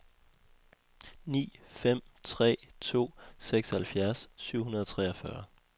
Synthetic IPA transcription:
nḭːfem̰t͡sʰʁɛ̰ːt͡sʰo̝̰ːseɡ̥shælfjæɐsːyʊ̰hunɐðˠɒ̽t͡sʰʁɛːɐfɶɐ

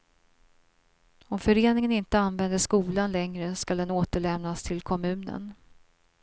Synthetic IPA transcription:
ɔmfœɾeːnɪŋənɪnt̪əanvɛnd̪əʂkuːlanlɛŋɾəskald̪ɛnoːt̪əɭɛmnast̪ʰɪlkʰɔmʉ̟ːnə̰n

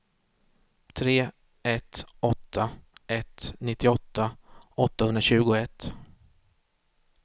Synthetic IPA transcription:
t̪ʰɾeː | ɛt̪ɔt̪ʰːaʔɛt̪nɪt̪ːɪɔt̪ːaɔt̪ːahɵnd̪ɾaɕʉ̟ːɡʊɛt̪ː

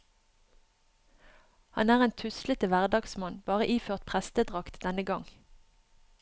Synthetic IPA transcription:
hɑ̰næːʁeːnt̪ʰʉslət̪əʋæʁd̪ɑːɡsmɑnb̥ɑːʁəʔiːføːʁt̪̚pʰʁɛst̪əd̪ʁɑkt̪d̪ɛnəɡɑŋ

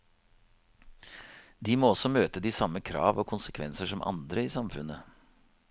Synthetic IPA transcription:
d̪iːmoːɔsɔmøːt̪əd̪iːsɑmːəkʰɾɑ̰ːʋoːkʰʊnsəkʰʋɛnsəʂɔmʔɑ̰nd̪ɾəiːsɑmfʉnə

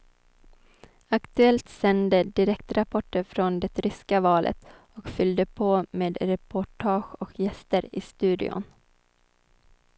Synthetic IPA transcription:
akt̪ɵɛlt̪sɛnd̪əd̪ɪɾɛkt̪ɾapʰɔʈːəɾfɾɔnd̪ɛt̪ɾʏskavɑːlʔə̰t̪ | ɔkfʏld̪əpʰoːmeːd̪ɾɛpʰʊʈʰɑːɧɔkjɛst̪əɾɪ̰st̪ʉ̟ːd̪ɪ̰ʊ̰n

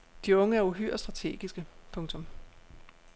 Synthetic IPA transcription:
d̥iɔ̽ŋəæɐuɦy̰ɐ̰sd̥ʁɑ̈t͡sʰe̝̰ːɡ̥isɡ̥əpʰɔ̽ŋt͡sʰɔ̽m

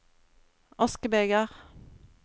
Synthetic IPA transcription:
ɔskəbeːɡəʁ

